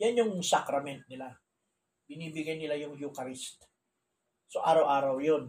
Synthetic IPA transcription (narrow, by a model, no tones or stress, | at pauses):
janjʊŋsakɾɐmɛnt̪̚nɪla | bɪniːbɪɡajnɪlajʊŋjukɐɾɪst̪̚ | soʔaːɾɐwʔaːɾawjon